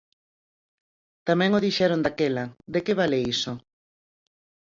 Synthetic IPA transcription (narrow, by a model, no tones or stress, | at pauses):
t̪amɛ̃ŋoðiʃɛɾond̪akɛlɐd̪ekeβaleiso